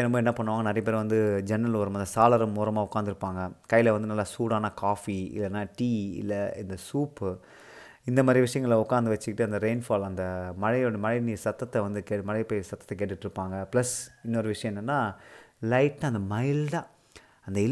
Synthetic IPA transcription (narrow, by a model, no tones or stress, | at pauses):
ɛnɐmboːɛnːɐpɐɳːɯʋaːŋɡɐnɐɾɐjɐp̬eːɾʋɐnd̪ɯd͡ʒɛnːɐlʋɐɾɐmaɐnd̪ɐsaːlɐɾɐmuːɾɐmaːʊkːaːnd̪ɯɾɯpːaːŋɡɐkɐjːɪlɐʋɐnd̪ɯnɐlːaːsuːɽaːnɐkaːfiɪ̰lːɐnːaːʈiːɪ̰lːɐɪ̰nd̪ɐsuːpː | ɪnd̪ɐmaːd̪ɾiʋɪʂɐjɐŋɡɐɭɐʊkːaːɾnd̪ɯʋɐt͡ʃːɯkɪʈːɯɐnd̪ɐɾeːnfaːlɐnd̪ɐmɐɻɐɽmɐɻɐɪniːsɐt̪ːɐt̪ːɛʋɐnd̪ɯkeːmɐɻɐpeːjsɐt̪ːɐt̪ːɛkeːʈːɯʈːɪɾɯpːaːŋɡɐplɐsɪnːɔɾɯʋɪʂɐjɐ̃ɛnːɐnːaːlɐɪʈnãɐnd̪ɐmɐɪld̪ãː | ɐnd̪ɐɪ